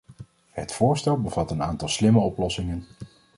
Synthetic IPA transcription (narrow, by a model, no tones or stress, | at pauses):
ɦətfʊːɹstɛlˠbəv̥ɑtənaːntɑlˠslɪməɔplɔsɪŋən